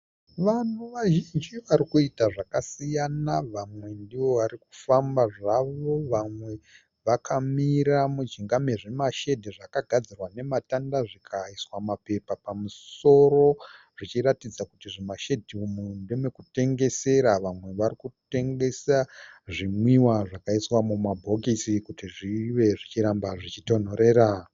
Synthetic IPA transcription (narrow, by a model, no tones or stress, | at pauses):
ʋanuʋaʒind͡ʒiʋaɾikuitaʐakasijanaʋamwe̞ndiʋo̞ʋaɾiku̥fambaʐaʋo̞ʋamwe̞ | ʋakʰamiɾamud͡ʒiŋɡameʐemaʃe̞dʱiʐakaɡʱad͡zirwane̞matandaʐikʰaiswamape̞papamuso̞ɾo̞ | ʐ̥it͡ʃiɾatid͡zakutiʐemaʃe̞dʱiumundeme̞kute̞ŋɡe̞se̞ɾaʋamwe̞ʋaɾikute̞ŋɡe̞saʐimwiwaʐakaiswamumabʱo̞kisikutiʐiʋe̞ʐit͡ʃiɾambaʐit͡ʃito̞n̤oɾe̞ːɾa